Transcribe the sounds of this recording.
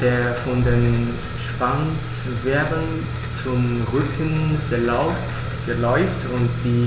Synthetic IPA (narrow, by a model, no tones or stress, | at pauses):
d̥eːɐfɔndeːn | ʃv̥ans | vɛɐbən | t͡sʊmʁʏkʰənfɛlaʊf | fɛɐlɔʏftʊnt̚d̥iː